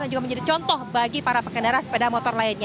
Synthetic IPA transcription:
and͡ʒuɡaməɲd͡ʒadit͡ʃɔnt̪ɔhbaɡipaɾapəkəndaɾasə̥pedamɔt̪ɔrlaɪnɲa

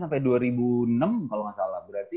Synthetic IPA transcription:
sampajduaɾibunəmkalomasala̰hbəɾart̪i

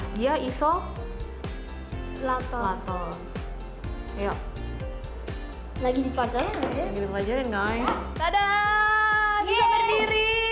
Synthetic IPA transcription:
sdiaisɔ | lat̪ɔlat̪ɔ | ja | laɡidipat͡ʃalaaaɡidipəlad͡ʒarjanɡajk̪ada | diasədiɾi

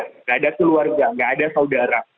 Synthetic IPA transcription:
ŋɡaːdakəluarɡaŋɡaːdasaudaɾa

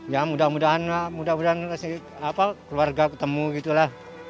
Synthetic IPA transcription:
jamudahmudaɦanamudahmudaɦanasi | apakluarɡakət̪əmuɡit̪ulah

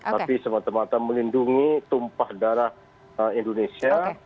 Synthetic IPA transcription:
t̪apisəmat̪amat̪aməlinduŋit̪umpahdaɾah | əindonesia

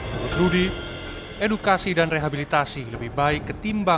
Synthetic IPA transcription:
uɾusɾudi | ɛdukasidanreɦabilit̪asiləbɪhbaɪkːət̪imba

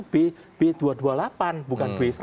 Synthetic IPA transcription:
b̥e | b̥ed̪̥uad̪ualapanb̥ukand̥wes

